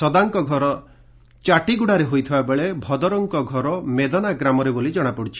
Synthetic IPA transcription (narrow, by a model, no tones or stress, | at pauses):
sɔd̪aŋkɔɡʱɔɾɔ | t͡ʃaʈiɡuɽaɾeɦojt̪ʰibabeɭebʱɔd̪ɔɾɔŋkɔɡʱɔɾɔmed̪ɔnaɡɾamɔɾebolid͡ʒɔɽ̃apuɽit͡ʃʰi̥